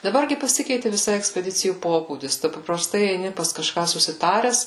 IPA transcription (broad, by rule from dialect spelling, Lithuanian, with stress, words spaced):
dɐˈbɐr ɡʲɪ pɐˈsʲɪkʲɛɪtʲɪ ʋʲɪˈsɐɪ ɛksʲpʲɛˈdʲɪt͡sʲɪjuː ˈpoːbuːdʲɪs ˈtʊ pɐprɐˈstɐɪ ɛɪˈnʲɪ pɐs kɐˈʃkɑː sʊsʲɪˈtɑːrʲɛs